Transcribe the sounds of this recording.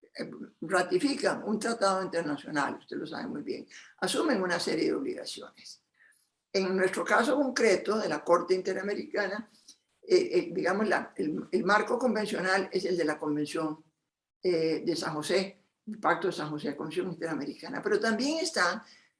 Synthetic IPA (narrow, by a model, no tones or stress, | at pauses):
rat̪ifikaŋunt̪ɾat̪að̞o̞int̪e̞ɾnasjo̞̰na̰lust̪elo̞sa̰βe̞̰mujβje̞̰ŋasumẽ̞ŋunaseɾje̞ðḛo̞βlḭɣa̰sjo̰nes | eŋnwe̞st̪ɾo̞kaso̞ko̞ŋkɾe̞t̪o̞ðe̞lako̞ɾt̪e̞int̪e̞ɾame̞ɾikana | ed̪iɣamosla̰elelmaɾko̞ko̞mbe̞nsjo̞nale̞se̞ld̪e̞lako̞mbe̞nsjo̞ŋ | ed̪e̞sãŋho̞se | lpak̚t̪oðesãŋxoseðekombens̬jo̞ŋint̪e̞ɾameɾikana̰pe̞ɾo̞t̪ambje̞ŋe̞st̪aŋ